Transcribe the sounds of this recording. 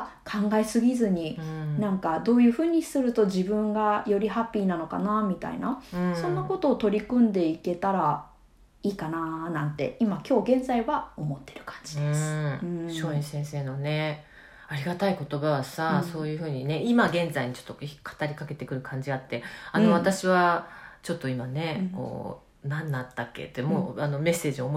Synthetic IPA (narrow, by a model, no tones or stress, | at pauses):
kʰãŋɡaesɨɡʲizɨɲ̟inãŋkad̪o̞ːjɯ̟ːɸɯ̟ːɲ̟isɨɾɯ̟t̪o̞ʑibɯ̟̃ŋɡajo̞ɾʲiɦapʲːiːnano̞ka̰namʲit̪a̰ḭnaɯsõ̞nːako̞t̪o̞ːt̪o̞ɾʲikɯ̟̃nd̪e̞ike̞t̪aɾa | iːkananãnt̪e̞̰imakʲo̞ːɡẽ̞nd͡zaiβao̞mo̞t̪ːe̞̥ɾɯ̟̥kʰḁ̃ɲ̟d͡ʑid̪es̟ɕo̞ːẽɰ̃sẽ̞se̞ːnone̞ | aɾʲiɡat̪aiko̞t̪o̞baβasaso̞ːjɯ̟ːɸɯ̟ːɲ̟ine̞imaɡẽ̞nd͡zaiɲit͡ɕo̥t̪ːokʰḁt̪aɾʲikake̞t̪e̞kɯ̟ɾɯ̟kʰãɲ̟d͡ʑiat̪ːe̞anoβat̪aɕiβat͡ɕo̞t̪ːo̞imane̞ko̞̰ː | nãnːat̪ːakːe̞̰t̪ːemoːano̞me̞sːe̞ːd͡ʑiomo